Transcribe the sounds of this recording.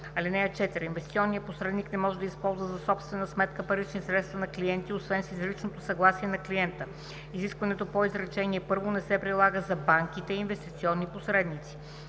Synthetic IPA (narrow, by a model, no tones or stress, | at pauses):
ɐlɛnɛjət͡ʃɛt̪ɛɾinvɛst̪t̪sʲiɔnːijəposɾɛd̪niknɛmɔʒɛd̪əispɔlˠzvəzɐsɔpst̪vɛnəsmɛt̪kəpɐɾit͡ʃnisɾɛt̪st̪vɐnɐkliɛnt̪iosvɛnsizɾit͡ʃnot̪osɐɡlˠasiɛnɐkliɛnt̪ə | iziskvɐnɛt̪opoizɾɛt͡ʃɛniɛpɤɾvonɛsɛpɾilˠaɡəzɐbaŋkit̪ɛiːnvɛst̪it̪siɔnːiposɾɛd̪nit̪si̥